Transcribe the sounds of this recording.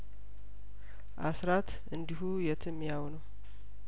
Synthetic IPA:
ʔasɾat̪ | ɨnd̪iɦujɛt̪ʰɨmjawnəw

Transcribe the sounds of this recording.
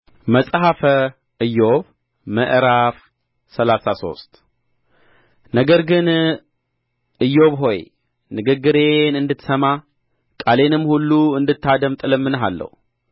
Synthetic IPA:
məsʼɦafə | ʔɨjːo̞β | məʔɾaf | sɐlasaso̞̰st̪ | nəɡəɾɡɨn | ʔɨjːo̞βɦo̞j | nɨɡɨɡːɨɾe̞nɨnd̪ɨt̪səma | kʼale̞nɨmːhulːuɨnd̪ɨt̪ːad̪əmt̪ʼɨlɨmːɨnɦalːə̰hu

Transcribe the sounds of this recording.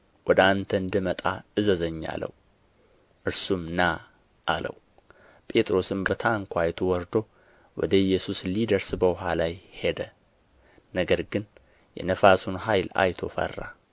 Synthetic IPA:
wʔɔd̪əant̪ʰəɨnd̪ɨmət̪ʼaɨzəzəɲːa̰lə̰w | ʔɨɾsumna | ʔalə̰w | pʼe̞t̪ʼɾo̞sɨmbət̪ʰaŋkʰʷajɛt̪ʰowɔɾd̪o̞ | wɔ̰d̪əɪjːɛsuslid̪əɾsbəwʊɦalajhed̪ə | nəɡəɾɡɨn | jɛ̰nəfasunhajla̰jt̪ʰo̞̰fə̰rːa̰

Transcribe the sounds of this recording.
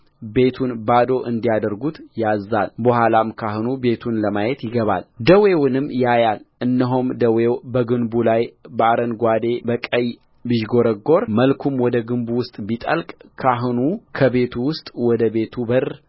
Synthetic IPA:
be̞t̪ʰunbad̪o̞ʔɨnd̪ijad̪əɾɡut̪jazːa̰lbəhʷalamkʰaɦɨnube̞t̪ʰunləmajɛt̪jɪɡəβa̰ld̪əwe̞wʊnɨmːjajalʔɨnːəɦumd̪əwewbəɡɨnbulajbəaɾənɡʷad̪e̞bəkʼəj | biʒɡo̞ɾəɡo̞ɾməlkʰumwɔd̪əɡɨmbuwʊst̪ʼbit̪ʼəlkʼkʰaɦnukʰəβe̞t̪ʰuwʊst̪ʼwɔd̪əbe̞t̪ʰubər

